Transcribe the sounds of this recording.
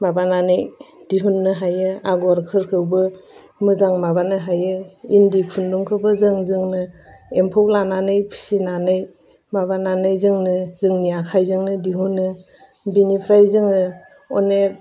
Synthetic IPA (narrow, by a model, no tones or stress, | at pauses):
mabananɯjdiɦunːɯɦajɯaɡaɾkʰɯɾkʰɯwbɯ | mɯzaŋmabanɯɦajɯindikʰunduŋkʰɯbɯzɯŋzɯŋnɯempʰɔwlananɯjpʰɯ̥sinanɯj | mabananɯjzɯŋnɯzɯŋniakʰajzɯŋnɯdiɦunːɯ | binipʰɾajzɯŋɯ | ɔnek̚